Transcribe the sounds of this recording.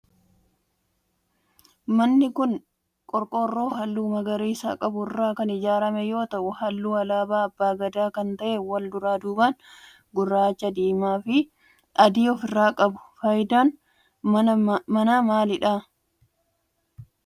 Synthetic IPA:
mɐnːɪkʊn | kʼɔɾkʼorːo̞ːɦɐlːuːmɐɡɐɾiːsa̰ːkʼɐbʊɪrːaːkɐnɪd͡ʒaːɾɐmɛjo̞ːt̪ɐʔʊhɐlːuːɐlaːbaːɐbːaːɡɐd̪aːkɐnt̪ɐʔeːwɐld̪ʊɾaːd̪uːbaːn | ɡʊrːaːt͡ʃːɐd̪iːmaːfɪ | ʔɐd̪iːɔfɪrːaːkʼɐbʊ̥fɐjd̪aːn | mɐnaːmaːlɪᶑaː

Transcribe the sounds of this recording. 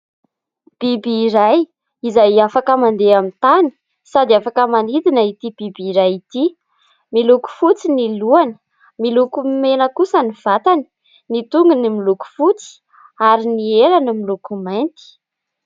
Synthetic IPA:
b̥ibiːɾaj | izajafakəmand̪eamint̪ani̥ | sad̪iafakəmanid̪inəit̪ibibiːɾajit̪i | miluku̥fut͡siniluanə̥ | milukumenəkusəniv̥at̪ani̥ | nit̪uŋɡənimiluku̥fut͡si̥ | aɾinielanimilukumant̪i̥

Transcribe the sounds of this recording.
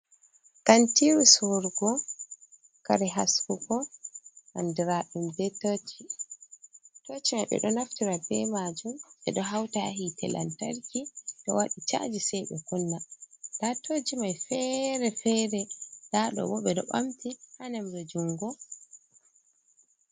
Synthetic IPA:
kantiɾusɔɾɡɔ | kaɾɛɦaskukɔʔa̰ndiɾaɗumdɛtot͡ʃi | tot͡ʃimajɓɛ̰ɗɔnaftiɾabɛmad͡ʒumɓɛ̰ɗɔɦawtaɦitɛ̰lʔa̰ntaɾkiɗɔ̰waɗit͡ʃa̰d͡ʒisɛjɓɛkunːadatod͡ʒimajfɛɾɛfɛɾɛdaɗɔ̰wɔɓɛɗɔ̰ɓa̰mtihanamdɔd͡ʒuŋɡɔ

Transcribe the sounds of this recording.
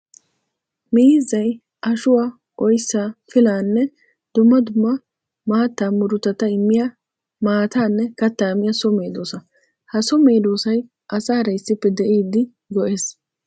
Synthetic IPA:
miːzɐj | ʔɐʃʊwaː | ɔjsːafɪlaːnːɛ | d̪̥ʊmːɐd̪ʊmːɐ | maːt̪ːamʊɾʊt̪ːɐt̪ɐɪmːɪjɐ | maːt̪aːnːɛkɐt̪ːaːmɪjɐsɔme̞ːd̪oːsɐ | hɐsɔme̞ːd̪o̞ːsɐj | ʔɐsaːɾɐjsːɪpːɛd̪ɛʔiːd̪ːɪ | ɡɔʔe̞ːs

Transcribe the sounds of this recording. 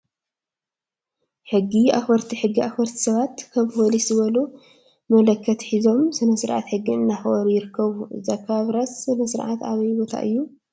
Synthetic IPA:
ħɨɡːia̰xbɐɾt̪ʰiħɨɡːiʔaxbɐɾt̪ʰi̥sɐβat̪kʰɐβwɔlisɨβɐlo | mɐlɐkʰːɐt̪ħizo̞msɨnɐsɨɾʔa̰t̪ħɨɡːiɨnːaxɨʔoɾjɪɾɨkʰːɐβuzakʰːaβɾɐsɨnɐsɨɾʕa̰t̪aβɐjbo̞t̪ʰa̰ʔɨ̰jːu

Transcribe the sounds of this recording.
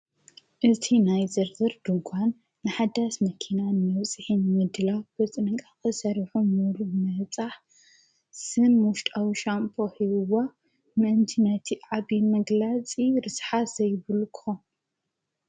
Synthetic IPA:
ʔɨt̪ʰinajzɐɾzɐɾd̪ɨɡʷanː | ɨħad̪ːasmɐkʰinanɨmɐβt͡sʼɨħinmɨd̪ɨlabɐt͡sʼɨnɨŋkʼakɨsɐɾħumuɾumɐt͡sʼaħ | sɨnwʊʃt̪ʼawiʃampʰohiwa | mɨʔɨnt̪ʰinɐt̪ʰiʕaβimɐɡlat͡sʼiɾɨsħaz̥ɐjβɨlkʰʼxon

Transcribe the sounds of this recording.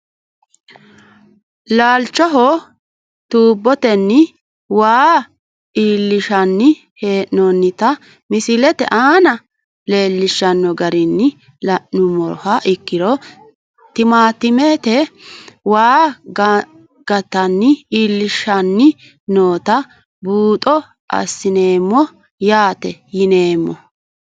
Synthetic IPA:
laːlt͡ʃːɔɦɔ | t̪uːbːɔt̪ɛnːɪ | waː | iːlːɪʃɐnːɪ | he̞ːʔnonːɪt̪ɐ | mɪsɪlɛt̪ɛ̰ʔaːnɐ | le̞ːlːɪʃːɐnːɔɡɐɾɪnːɪ | lɐʔʊmɔɾhɐʔɪkːɪɾɔ | t̪ɪmaːt̪ːɪmeːt̪ɛ | waːɡ | ɡ̥ɐt̪ːɐnːɪiːlːɪʃːɐnːɪ | noːt̪ɐ | buːt̪ʼɔ | ʔɐ̰sːɪne̞ːmːɔ | jaːt̪ɛjɪne̞ːmːɔ̰

